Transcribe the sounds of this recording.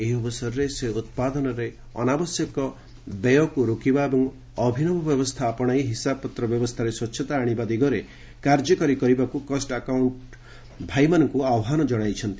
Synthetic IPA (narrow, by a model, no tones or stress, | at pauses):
eɦiɔbɔsɔɾɔɾeseut̪̚pad̪ɔnɔɾe | ɔ̰nabɔsjɔkɔ | bejɔkuɾukibaebɔŋ | ɔbʱinɔmɔbjɔbɔst̪ʰaːpɔɽ̃aiɦisapɔt̪ɾɔbjɔbɔst̪ʰaɾeswɔtːʃʰɔt̪aːɽ̃ibad̪iɡɔɾe | kaɾd͡ʒɔkɔɾikɔɾibakukɔsʈakawɳʈ | bʱajmanɔŋkuawɦanɔd͡ʒɔɽ̃ajt͡ʃʰɔnt̪i